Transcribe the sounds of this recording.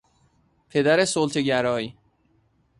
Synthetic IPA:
pʰe̞d̪æɾesolt̪ʰeɟæɾɒːji

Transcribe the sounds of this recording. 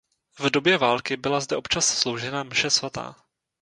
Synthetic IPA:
vdo̞bjɛvaːlkɪbɪlazdɛʔo̞pt͡ʃasslo̞wʒɛnamʃɛsvat̪a̰ː

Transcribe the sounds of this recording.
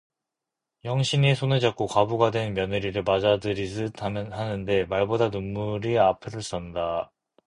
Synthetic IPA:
jʌŋɕʰinesʰonɯd͡ʑak͈̚okabuɡadwe̞nmjʌnɯɾiɾɯɭmad͡ʑadɯɾisɯtʰamjnhanɯnde̞maɭbodanumːuɾiapʰɯɾɯɭs͈ʌnda

